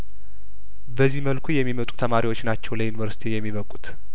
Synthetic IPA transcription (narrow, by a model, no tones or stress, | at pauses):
bəzːiməlkʰujɛmːimət̪ʼu̥t̪ʰəmaɾiwo̞t͡ʃːnat͡ʃːɛwləjunivəɾsi̥t̪ʰijɛmːiβəkʼut̪